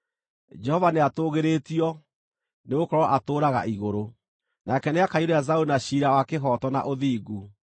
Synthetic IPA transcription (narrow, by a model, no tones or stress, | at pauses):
d͡ʒɛhɔvaneatoːɣeɾetiɔ | neɣokɔɾɔʔatoːɾaɣa̰ʔiɣoɾo | nakɛneakaioɾeazaunaɕiːɾawakeɦɔtɔna̰ʔoðiːɣu